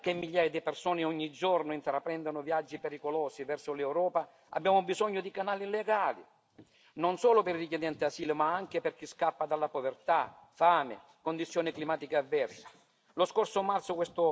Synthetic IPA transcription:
k̟ɪmːiʎːaːjad̪ɪpersɔːnɪɔɲːid͡ʒɔrnʊint̪ɾapːɾɛnd̪anʊvjad͡ʒːipeɾikʊlɔːsivɛrsʊlɛwɾɔːpa | a̰bːjaːmʊbizɔɲːʊd̪ikanaːlilɛɡaːlḭ | nɔnsɔːlʊpɪɾriked̪ɛnt̪ɪasiːlmaaŋk̟ɪpɪrk̟iskapːad̪alːapovert̪afaːmɪ̰ | kʊnd̪it̪sːjɔːnɪklimaːt̪ikaavːɛrsḁ | lʊskɔrsʊmart̪sʊkwɛst̪ʊ

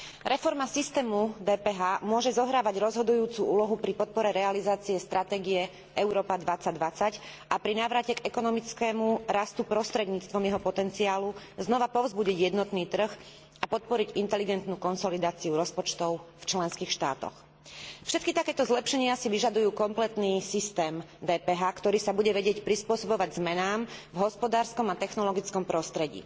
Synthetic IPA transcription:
ɾʔɛfɔɾmasist̪ɛːmud̪ɛːpɛɦaːmʊɔʒɛzɔɦɾaːʋaɟɾɔzɦɔd̪ujuːt͡suuːlɔɦupɾipɔt̪̚pɔɾɛɾɛalizaːt͡siɛst̪ɾʔat̪ɛːɡiɛ | ʔɛʊɾɔːpad̪ʋat͡saɟd̪ʋat͡sacʔapɾinaːʋɾacɛɡɛkɔnɔmit͡skɛːmuɾast̪upɾɔst̪ɾɛd̪ɲiːt͡st̪ʋɔmjɛɦɔpɔt̪ɛnt͡siaːluznɔʋapɔʊzbuɟiɟjɛd̪nɔt̪niːt̪r̩x | apɔt̪̚pɔɾiɟint̪ɛliɡɛnt̪nuːkɔnsɔlid̪aːt͡siuɾɔspɔt͡ʃt̪ɔʊft͡ʃlɛnskiːxʃt̪a̰ːt̪ɔ̰x | fʃɛt̪̚kit̪akɛːt̪ɔzlɛpʃɛɲɪasiʋiʒad̪ujuːkɔmplɛt̪niːsist̪ɛːm | d̪ɛːpɛɦaːkt̪ɔɾiːsabuɟɛʋɛɟɪɛcpɾispʊɔsɔbɔʋaɟzmɛnaːmvɦɔspɔd̪aːɾskɔmat̪ɛxnɔlɔɡit͡skɔmpɾɔst̪ɾɛɟḭː

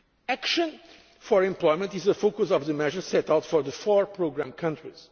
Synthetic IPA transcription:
ækʃə̃n | fɔɹɛ̃mplˠɔjmə̃ntizəfokʊsɔvðɨmɛʒə˞sɛtawtfɔɹðəfɔɹpɹoɡɾæ̃mkʰʌ̃ntɹiz̥

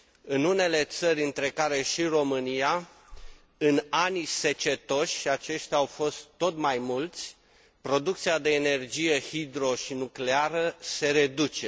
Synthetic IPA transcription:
ɨnune̞le̞t̪səɾʲɨnt̪ɾe̞kaɾe̞ʃiro̞mɨnija | ɨnanise̞t͡ʃe̞t̪o̞ʃʲat͡ʃe̞ʃt̪ʲaawfo̞st̪ːo̞t̪majmult̪sʲ | pɾo̞d̪uk̚t̪sijad̪e̞ːne̞rd͡ʒije̞hid̪ɾo̞ʃinukle̞aɾəse̞ɾe̞d̪ut͡ʃe̞

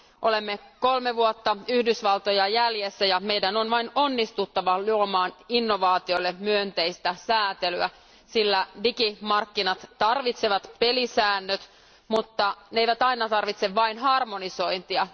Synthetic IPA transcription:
ʔolemːekolmeʋuot̪ːɑyhdysʋɑlt̪ojɑjæljesːæjɑmeidænonʋɑinonːist̪ut̪ːɑʋɑluomɑːninːoʋɑːt̪ioilːemyønt̪eijst̪æsæːt̪elyæ | silːædikimɑrkːinɑt̪t̪ɑrʋit̪seʋɑt̪pelisæːnːøt̪ | mut̪ːɑneeiʋæt̪ɑinɑt̪ɑrʋit̪seʋʋɑinɦɑrmoniso̞int̪iɑ

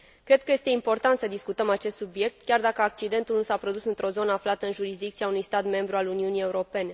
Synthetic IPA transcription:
kɾe̞d̪̚kəje̞st̪e̞impo̞rt̪ant̪səd̪iskut̪əmat͡ʃe̞st̪subije̞k̚t̪kʲard̪akəak̚t͡ʃid̪e̞nt̪ulnusapɾo̞d̪usɨnt̪ɾo̞zo̞nəaflat̪əɨnʒuɾisd̪ik̚t̪siaunujst̪at̪me̞mbɾualuniunije̞uɾo̞pe̞ne̞

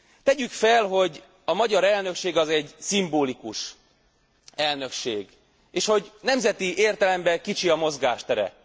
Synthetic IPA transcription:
t̪ɛɟykfɛlɦo̞ɟ | ɒmɒɟɒɾɛlnø̞kʃeːɡɒzɛɟsimboːlikuʃ | ɛlnø̞kʃeːɡ | eːʃho̞ɟnɛmzɛt̪iʔeːrt̪ɛlɛmbɛkit͡ʃiɒmo̞zɡaːʃt̪ɛɾɛ̰

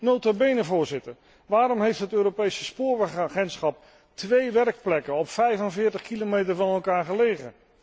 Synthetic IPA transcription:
nowtabejnəvʊːɹzɪtəɹ | ʋaːɾɔmɦejftɦətøːɾopejsəspʊːɹʋɛχaːχɛntsχɑp̚ | tʋejʋɛɹk̚plɛkənɔpfɛjvənvɪːɹtəχkilomejtəɹvɑnɛlˠkaːɹχəlejχə̰

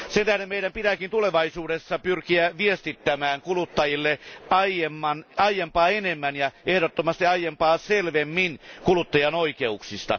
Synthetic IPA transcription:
sent̪æhɾemeiɾæmpit̪ækint̪uleʋɑisuːdesːɑpyrkiæʋiest̪it̪ːæmæːŋkulut̪ːɑjilːeɑijemːɑnɑijempɑːenemːænjɑʔehɾot̪ːomɑst̪iɑijempɑːselʋemːinkulut̪ːɑjɑnoikeuksist̪ɑ̰

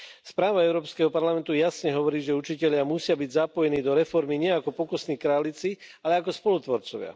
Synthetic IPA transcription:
spɾaːʋaɛʊɾɔːpskɛɦɔpaɾlamɛnt̪ujasɲɛɦɔʋɔɾiːʒɛut͡ʃicɛʎɪamusɪabiɟzapɔjɛniːd̪ɔɾɛfɔɾmiɲɪɛakɔpɔkɔsniːkɾaːlit͡sialɛakɔspɔlut̪ʋɔɾt͡sɔʋɪa̰

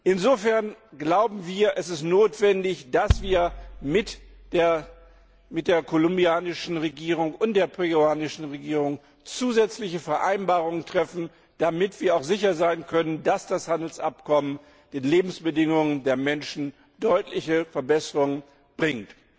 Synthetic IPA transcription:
ʔɪnzoːfɛɐnɡlaʊbm̩viːɐʔɛsɪstnoːtv̥ɛndɪçd̥asv̥iːɐmɪtː | mɪt̚d̥eːɐkʰolʊmbiaːnɪʃn̩ʁeɡiːʁʊŋʊnt̚d̥eːɐpʰeɡuaːnɪʃn̩ʁeɡiːʁʊŋ | t͡suːzɛt͡slɪçəfɛɐʔaɪnbaːʁʊŋəntʁ̥ɛfn̩ | d̥amɪtv̥iːɐaʊxz̥ɪçɐzaɪnkʰœnəndasd̥ashandl̩sʔa̰pkʰɔmən | d̥eːnleːbm̩sb̥ədɪŋʊŋəndeːɐmɛnʃn̩ | d̥ɔʏtʰlɪçəfɛɐbɛsəʁʊŋən | b̥ʁɪŋt

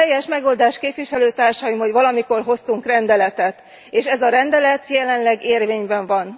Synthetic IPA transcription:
ɛjːɛʃmɛɡo̞ld̪aːʃkeːpʋiʃɛløːt̪aːrʃɒjimho̞ɟʋɒlɒmiko̞rɦo̞st̪uŋkrɛnd̪ɛlɛt̪ɛt̪ | eːʃɛzɒɾɛnd̪ɛlɛt̪jɛlɛnlɛɡeːrveːɲbɛɱvɒn

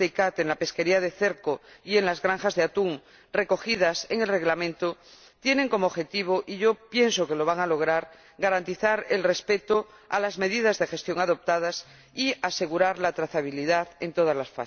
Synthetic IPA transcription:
ekat̪enlape̞ske̞ɾiaðe̞θe̞ɾkoie̞nlazɣɾaŋxazðeat̪uŋ | re̞ko̞xiðaseŋe̞lre̞ɣlamẽnt̪o | t̪je̞nẽ̞ŋko̞moβxe̞t̪iβ̞o̞ʔiʝo̞pje̞nso̞ke̞lo̞β̞aŋalo̞ɣ̞ɾaɾ | ɡaɾant̪iθaɾelre̞spe̞t̪o | a̰lazme̞ðið̞azðe̞xe̞st̪jo̞ŋaðo̞p̚t̪að̞as | iase̞ɣuɾaɾlat̪ɾaθaβ̞iliðaðe̞nt̪o̞ð̞azlasfa̰

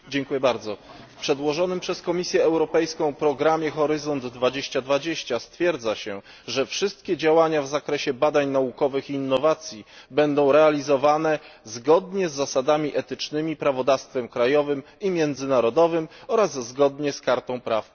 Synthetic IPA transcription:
d͡ʑɛŋkujɛbaɾd̪zɔfpʂɛd̪wɔʐɔnɘmpʂɛskɔmʲisʲjɛɛwɾɔpɛjskɔ̃w̃pɾɔɡɾamʲjɛxɔɾɘzɔnd̪ːvad͡ʑeɕt͡ɕad̪vad͡ʑeɕt͡ɕast̪fʲjɛɾd̪zaɕɛ | ʐɛfʂɘst̪̚kʲɛd͡ʑawaɲavzakɾɛɕɛbad̪aɲnaukɔvɘxːnːɔvat̪sʲji | bɛnd̪ɔ̃w̃ɾɛalʲizɔvanɛzɡɔd̪ɲɛzːasad̪amʲiʔɛt̪ɘt͡ʂnɘmʲipɾavɔd̪afst̪fɛmkɾajɔvɘm | imʲjɛnd̪zɘnaɾɔd̪ɔvɘmɔɾazːɡɔd̪ɲɛskaɾt̪ɔ̃w̃pɾaf

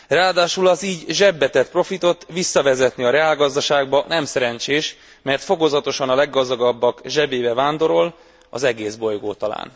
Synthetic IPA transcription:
raːd̪aːʃulɒziːɟʒɛbːɛt̪ɛt̪pro̞fit̪o̞t̪visːɒvɛzɛt̪niɒɾɛaːlɡɒzd̪ɒʃaːɡbɒnɛmsɛɾɛnt͡ʃeːʃ | mɛrt̪fo̞ko̞zɒt̪o̞ʃɒnɒlɛɡːɒzd̪ɒɡɒbːɒkʒɛbeːbɛvaːnd̪o̞ɾo̞l | ɒ̰zɛɡeːzbo̞jɡoːt̪ɒla̰ːn

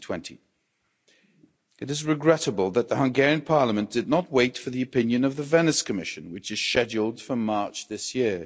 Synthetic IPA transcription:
tʰw̥ɛ̃ntʰi | ɨɾɨzɹɨɡɹɛɾəbəlˠðət̪̚ðəhʌ̃ŋɡɛɹiɨ̃npʰɑɹləmə̃nd̥ɨdⁿnət̚weɪtfə˞ðiɨpɪ̃njɨ̃nʌvðɨvɛnɨskʰɨmɪʃɨ̃nwɨt͡ʃɨz̥ʃɛd͡ʒl̩ˠd̥fəmɑɹt͡ʃðɪsjɪɹ

